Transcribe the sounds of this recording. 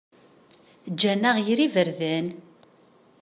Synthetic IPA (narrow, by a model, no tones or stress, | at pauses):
d͡ʒːænːæʁjɾivəɾðæn